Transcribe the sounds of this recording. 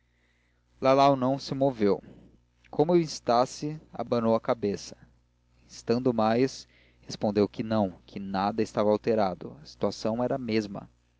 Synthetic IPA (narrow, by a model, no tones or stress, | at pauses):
lalawnɐ̃w̃sɪmovew | kʰõmʊeĩst̪asɪa̰bɐnowɐkabesɐ̥ | ĩst̪ɐ̃nd̪ʊmajs | hespõnd̪ewkɪnɐ̃w̃kʰɪnad̪ɐɪst̪avɐawt̪eɾad̪ʊ̰ɐsi̥t̪uasɐ̃w̃ɛɾɐmezmɐ̰